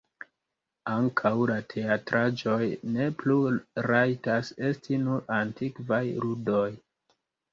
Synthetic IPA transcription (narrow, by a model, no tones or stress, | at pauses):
aŋkʰawlatʰe̞atɾad͡ʒo̞jne̞pluɾajtase̞stinuɾantikvajludoj